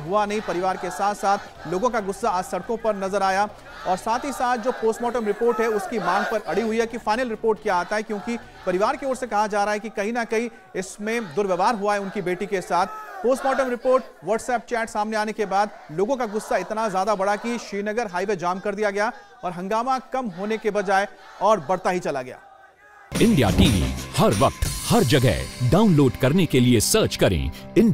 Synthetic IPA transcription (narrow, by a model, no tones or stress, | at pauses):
ɦuanɐɦĩpɐɾɪʋaːɾkesaːt̪ʰsaːt̪ʰ | loːɡõkaɡʊsːaːsɐɽkõpɐɾnɐzəɾaːja | ɔːɾsaːt̪ʰɦisaːt̪̚ʰd͡ʒoːpoːsʈmɔːʈəmɾɪpoːɾʈɦɛʊskimaːŋpɐɾʔɐɽiɦʊiɦɛkifaːɪnəlɾɪpoːɾʈ̚kjaaːt̪aɦɛkjõːki | pɐɾɪʋaːɾkeoːɾsekɐɦad͡ʒaːɾaɦaɦɛkikɐɦĩnɐkɐɦĩ | ɪsmẽd̪ʊɾʋeʋʱaːɾɦuaɦɛʊnkibeːʈikesaːt̪ʰpoːsʈmɔːʈəmɾɪpoːɾʈ̚ | ʋɐɾʈsɛːp̚t͡ʃɛːʈsaːmneaːnekebaːd̪ | loːɡõkaɡʊsːaɪt̪nazjaːd̪abɐɽakiʃiːnɐɡəɾɦaːiʋed͡ʒaːmkɐɾd̪ijaɡɐja | ɔːɾɦɐ̃ŋɡaːmakɐmɦoːnekebɐd͡ʒaːe | ɔːɾbɐɽt̪aɦit͡ʃɐlaɡɐja̰ː | ɪ̃ɳɖija̰ʈiːʋḭːhɐɾʋɐq̚t̪hɐɾd͡ʒɐɡɛ̰ɦɖaːʊnloːɖkɐɾnekeliesəːɾt͡ʃkɐɾḛ̃ɪn